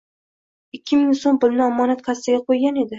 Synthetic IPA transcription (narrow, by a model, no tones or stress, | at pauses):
ɪkʲʰːɪmɪŋsombʊlnɪɒmɒnat̪̚kʲʰast̪ɪɡʲaqʰojɡʲane̞d̪ɪ